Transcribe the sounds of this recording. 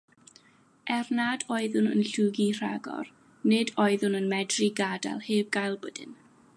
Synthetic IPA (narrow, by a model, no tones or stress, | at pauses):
ʔɛrnadɔɨðʊnə̰nɬuːɡir̥a̰ɡɔ̰r | nɪdɔɨðʊnənmɛdriɡada̰lˠheːvɡajlˠbədɪ̰n